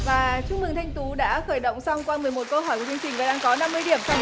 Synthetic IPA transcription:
vaː˨˩t͡ɕʊ˦˥k͡p̚mɨ˨˩ŋt̪ʰa˧jŋ̟t̪u˨˦ɗa̰ː˧˥xəː˧˩jɗo̰˧˨wŋ͡msɔ˧wŋ͡mkwaː˧mɨ˨˩əjmo˨˩t̚kə˧ɦɔː˧˩jku˧˩t͡ɕəŋt͡ɕï˨˩ŋ̟vaː˨˩ɗaː˧ŋkɔ˨˦na˧mːɨ˧jɗi˧˩əmsa˧

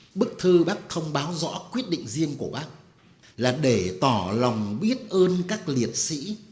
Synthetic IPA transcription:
ɓɨ˦˥k̚t̪ʰɨ˧ɓaː˦˥k̚t̪ʰə˧wŋ͡mɓaː˨˦wzɔ̰˧˥kwi˦˥ət̚ɗḭ̈˧˨ŋ̟zi˧əŋku˧˩əɓaː˦˥k̚ | laː˨˩ɗe˧˩t̪ɔ˧˩la˨˩wŋ͡mɓi˦˥ət̚ʔəː˧nkaː˦˥k̚li˨˩ət̚sḭ˧˥

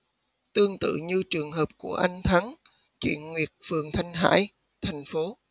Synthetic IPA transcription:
t̪ɨ˧əŋt̪ɨ̰˧˨ɲɨ˧t͡ɕɨ˨˩əŋɦəː˨˩p̚ku˧˩əʔa˧jŋ̟t̪ʰa˨˦n | t͡ɕwḭ˧˨ənŋwi˨˩ət̚fɨ˨˩əŋt̪ʰa˧jŋ̟ɦa̰ː˧˥j | t̪ʰa˨˩jŋ̟fo˨˦

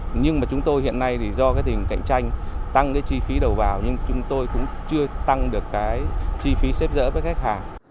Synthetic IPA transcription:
ɲɨ˧ŋmaː˨˩t͡ɕʊ˨˦ŋ͡mt̪o˧jhḭ˧˨ənːa˧jt̪ʰi˨˩zɔ˧kaː˨˦jt̪ï˨˩ŋ̟ka̰˧˨jŋ̟t͡ɕa˧jŋ̟t̪a˧ŋkaː˨˦jt͡ɕi˧fi˨˦ɗə˨˩wvaː˨˩wɲɨ˧ŋt͡ɕʊ˨˦ŋ͡mt̪o˧jkʊ̰˧˥ŋ͡mt͡ɕɨ˧ət̪a˧ŋɗɨ˨˩əkːaː˨˦jt͡ɕi˧fi˨˦sɛ˦˥p̚zə̰ː˧˥vəː˨˦jxa˦˥jk̟̚haː˧˩

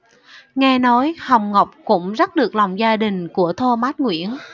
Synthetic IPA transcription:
ŋɛ˧nɔ˨˦jha˨˩wŋ͡mŋə˨˩wk͡p̚kʊ̰˧˥ŋ͡mza˦˥t̚ɗɨ˨˩ək̚la˨˩wŋ͡mzaː˧ɗï˨˩ŋ̟ku˧˩ət̪ʰo˧maː˦˥t̚ŋwḭ˧˥˨ən

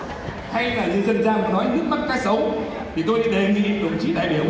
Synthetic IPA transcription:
ha˧jlaː˨˩zɨ̰˧˨zə˧nzaː˧m˨˩nɔ˨˦jzɨ˦˥mə˦˥t̚kaː˦˥k̚sə˨˦w | t̪ʰi˨˩t̪o˧jɗi˧ɗe˨˩˦ŋḭ˧˨˧ɗə˨˩ŋ͡mt͡ɕḭ˧˥ɗa̰ː˧˨jɓi˧˩əw

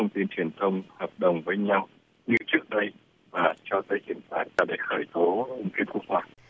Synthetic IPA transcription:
t̪ʰə˧wŋ͡mt̪i˧nt͡ɕwi˨˩ənt̪ʰə˧wŋ͡mhwaː˨˩t̚ɗə˨˩wŋ͡mvəː˨˦jɲa˧w | ɲɨ̰˧˥t͡ɕɨ˦˥ək̚ɗə˧j | vaː˨˩t͡ɕɔ˧t̪ə˧jki˧˩ənt̪a̰ː˧˩jɗe˧˩xəː˧˩jt̪o˨˦ʊ˧ŋ͡mki˦˥əp̚ku˦˥ək̚hwaː˧˩

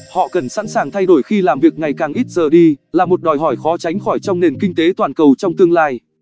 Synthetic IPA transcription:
hɔ̰˧˨kə˨˩nsa̰˧˥nsaː˨˩ŋt̪ʰa˧jɗo˧˩jxi˧laː˨˩mvi˨˩ək̚ŋa˨˩jkaː˨˩ŋʔi˦˥t̚zəː˨˩ɗi˧laː˨˩mo˨˩t̚ɗɔ˨˩jɦɔ˧˩jxɔ˨˦t͡ɕa˨˦jŋ̟xɔ˧˩jt͡ɕɔ˧wŋ͡mne˨˩nkï˧ŋ̟t̪e˨˦t̪waː˨˩nkə˨˩wt͡ɕɔ˧wŋ͡mt̪ɨ˧əŋlaː˧j

